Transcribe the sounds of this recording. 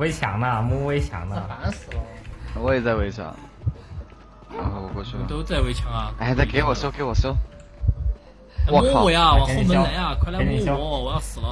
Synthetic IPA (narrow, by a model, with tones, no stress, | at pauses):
we˧˥ɪt͡ɕʰjɑ̰˨˧˥ŋnə˥˧mu˥˧we˥ɪt͡ɕʰjɑ̰˧˥˦ŋnə˧˩a˧˥nsɹ̩˨˩lə˦wɔ˧˥jɛ˨˩t͡sa˥˩ɪwe˧˥ɪt͡ɕʰjɑ̰˧˥˦ŋ | a˧˥˩wɔ˨˩kwɔ˥˧t͡ɕʰy˥˩˨t̪o˥ʊt͡sa˥˩ɪwe˧˥ɪt͡ɕʰjɑ˧˥ŋa˧˩a˥˩ɪt͡sa˥˩ke˧˥ɪwɔ˨˩ɕjo˥ʊke˧˥ɪwɔ˨˩ɕjo˥ʊ˥ | wɔ˥˧˥kʰwe˧˥ɐ˧wɔ˧˥˧mʰ˧˥jɑ˥n˥la˧˥a˥˩kʰa˥˧la˥˧˥ni˧˥jɑ˥˧wɔ˨˩jɑ˥˩ʊsɹ̩˨˩lə˦